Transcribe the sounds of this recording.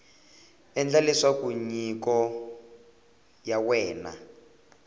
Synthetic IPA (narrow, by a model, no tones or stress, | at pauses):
ɛnd͡ɮalɛʂakuɲikɔ | jawɛːna̰